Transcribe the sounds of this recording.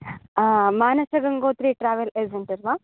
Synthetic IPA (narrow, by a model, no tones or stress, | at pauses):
maːnɐsɐɡɐŋɡoːt̪ɾiʈɾaːʋɐleːzɐɳʈɐɾʋa